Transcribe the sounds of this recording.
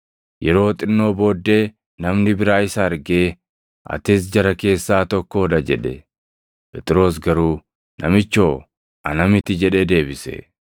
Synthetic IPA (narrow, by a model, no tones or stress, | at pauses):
jɛɾo̞ːt̪ʼɪnːo̞ːbo̞ːd̪ːe̞ː | nɐmnɪbɪɾaːɪsaɐɾɡe̞ː | ɐ̰t̪ɪs̬d͡ʒɐɾɐke̞ːsːaːt̪ɔkːoɔd̪ɐd͡ʒɛᶑɛ | pʼɛt̪ʼɪɾo̞ːs̬ɡɐɾuː | nɐmɪt͡ʃːo̞ː | ɐnɐmɪt̪ɪd͡ʒɛᶑed̪e̞ːbɪsɛ̰